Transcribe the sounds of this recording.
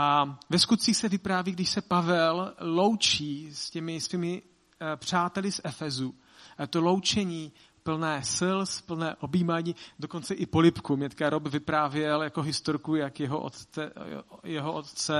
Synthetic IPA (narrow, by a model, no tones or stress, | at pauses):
ʔavɛskut̪̚t͡siːxsɛvɪpɾaːviːɡdɪʃsɛpavɛllo̞wt͡ʃiːscɛmɪsviːmɪ | pr̝̥aːt̪ɛlɪsʔɛfɛzu | ʔajɛt̪olo̞wt͡ʃɛɲiː | pl̩nɛːsɪlspl̩nɛːʔobiːmaːɲiːdo̞ko̞nt͡sɛʔɪpo̞lɪpkumɲɛt̪kaɾobvɪpɾaːvjɛljako̞ɦɪst̪oɾkujakjɛɦo̰ʔo̰ | jɛɦoʔot̪t͡sɛ